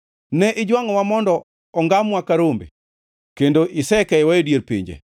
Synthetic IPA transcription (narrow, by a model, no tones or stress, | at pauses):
nɛʔɪd͡ʒwaŋɔwamɔndɔ | ɔŋɡamwakaɾombḛ | kendoʔɪsɛkɛɛwajodjeɾpḭɲd͡ʒḛ